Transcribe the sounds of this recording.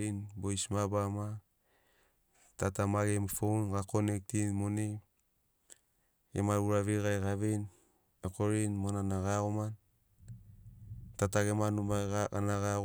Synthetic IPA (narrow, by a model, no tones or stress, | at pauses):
inbojsmabama | tatamaɡemfownɡakonek̚tinmone | ḛmaɾuɾaβiɡajɡaβin | ekoɾinmonanaɡaoman | tataɡemanumaanaɣa